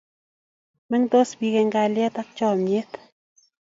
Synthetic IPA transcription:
mɛ˦ŋt̪o˦sbi˧ɡe˧ŋɡa˧lja˦t̪a˦k̚t͡ʃɔ˦˨mje˦t̪

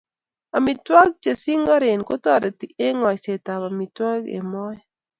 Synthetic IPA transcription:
a˨mi˨twa˦ɡ̚t͡ʃa˨si˦ŋɔ˦ɾe˨nko˦tɔ˦˨ɾe˨ti˨e˦ŋɔ˨t͡ʃe˨ta˨ba˨mi˨twa˦ɡḛ˨mɔ˦ɛ˦

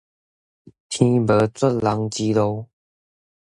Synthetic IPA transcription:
t̪ʰĩ˧bə˨˦t͡swə˥˨nla˨˧˦ŋt͡ɕi˧lo˧˦w

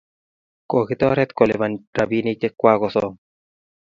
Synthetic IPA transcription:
ko˨kɪ˦t̪ɔ˦ɾɛ˦t̪kɔ˨le˨va˨nɾa˨bi˦ne˦t͡ʃe˦kːwa˦kɔsɔ˦ŋ

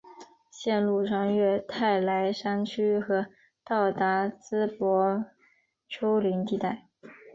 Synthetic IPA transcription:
ɕjɛ˥˧nlu˥˧ʂɑ˥˧ŋɥɛ˥˧t̪ʰa˥˩ɪla˧˥ɪʂa˥nt͡ɕʰy˥xɤ˧˥ | t̪ɑ˥˩ʊt̪a˧˥t͡sɹ̩˥pwɔ˧˥ | ʈ͡ʂʰo˥ʊli˧˥ŋt̪i˥˧t̪a˥˩ɪ

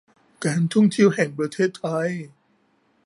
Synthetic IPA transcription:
kaː˧˥˨nt̪ʰu˥˩˨ŋt̪ʰi˧˥˧wɦɛː˨˩ŋpɾa˧t̪ʰeː˥˩t̪ʰːa˧˥˩j

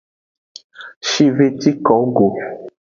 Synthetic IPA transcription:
ʃi˦ve˦ti˦kɔ˨˦ɡo˨

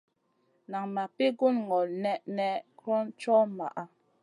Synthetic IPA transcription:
na˨ŋma˨pe˦ɡo˦nŋɔ˨lnɛ˦ʔnɛ˦kɾɔ˦nt͡ʃɔ˦ma̰˨ʔa˦

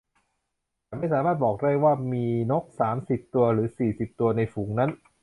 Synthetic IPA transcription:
a˨˩ma˥˩jsaː˩˦maː˥˩t̪̚bɔː˨˩k̚daː˥˩jwaː˥˩miː˧no˦˥k̚saː˩˦msi˨˩p̚t̪u˧ɐɾɯː˩˦siː˨˩si˨˩p̚t̪u˧ɐna˧jfuː˩˦ŋna˦˥n

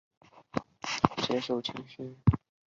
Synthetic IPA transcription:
ɕjɛ˧˥ʂo˨˩ʊt͡ɕʰi˧˥ŋɕy˥˦

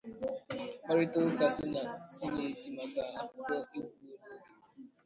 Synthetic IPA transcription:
ma˦ɾɪ˦to˦ka˨sɪ˦na˨si˦ne˨ti˨ma˨ɡa˨˦˨bɔ˦˨i˦ɡu˨o˨ko˨˦ɡe˨

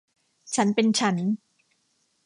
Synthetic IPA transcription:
t͡ɕʰa˦˥npe˧nt͡ɕʰa˦˥n

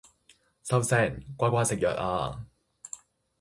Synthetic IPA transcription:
sɐ˧wsɛː˧˩ŋkʷaː˥kʷaː˧˥sɪ˨k̚jœ̰ː˨ʔ̚ʔa̰ː˧

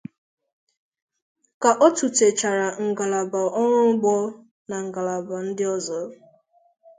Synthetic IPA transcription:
ka˨ʔɔ˦tu˨te˨t͡ʃa˨ɾa˨ŋ̩˨ɡa˨la˨ba˨ʔɔ˦ŋʷʊ˦m̩˦ɡ͡bɔ˦ | na˨ŋ̩˨ɡa˨la˨ba˨n̩˦dɪ˦ɔ˦zɔ˨˦

